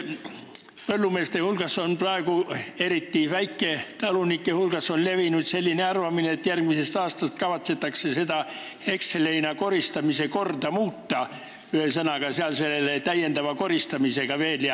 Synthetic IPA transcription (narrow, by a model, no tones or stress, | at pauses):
pɤlːume̞ːst̪e̞hulɡ̥ɑso̞nprɑeɡ̥ue̞ɾit̪ːivæjkːˑe̞t̪ɑlunikːˑehulɡ̥ɑso̞nle̞vinut̪se̞lʲːineɑrvɑmineːt̪ːjærɡ̥mise̞st̪ɑːst̪ɑst̪̚kɑvɑt̪se̞t̪ːˑɑkse̞sed̪ɑ | e̞ksele̞jnɑko̞ɾist̪ɑmise̞ko̞rd̪ɑmuːt̪ːɑ | yhesɑnɑɡ̥ɑseɑlse̞lːelet̪æjːe̞nd̪ɑvɑko̞ɾist̪ɑmise̞ɡ̥ɑve̞ːljɑ